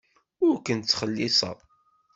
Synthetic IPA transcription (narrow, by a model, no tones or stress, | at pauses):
ʊɾkənt͡sːχəlːɪsˤɑ̰